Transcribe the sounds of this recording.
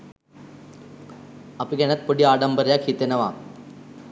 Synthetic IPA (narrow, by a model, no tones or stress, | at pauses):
apiɡeñjat̪̚pəɽiːaɽəmbəɾjakʰit̪enəʋa